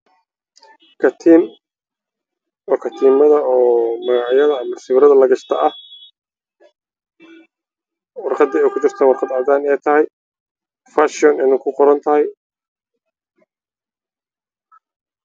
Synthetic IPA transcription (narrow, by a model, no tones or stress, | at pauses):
kʰɐt̪ʰiːm | ɔːkʰɐt̪ʰiːmɐðɐɔːmɐɣɑʕjɐðɐɐmːɐrsɪβɾɐðɐlɐɡɐʃt̪ʰɐʔɐh | wɑrqɑd̪ːɛɛːkʰʊt͡ʃɪr̥t̪ʰɐnwɑrqɑd̪ʕɑd̪aːnɛːjt̪ʰɐɦɛj | faʃɔnɪnɐkʰʊqɔɾɐnt̪ʰɐɦɛj